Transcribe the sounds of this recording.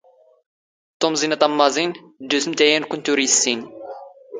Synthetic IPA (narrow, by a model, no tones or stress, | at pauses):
t̪omzinat̪ɑmːɑzin | d̪usmt̪æjænkʊnt̪uɾisːin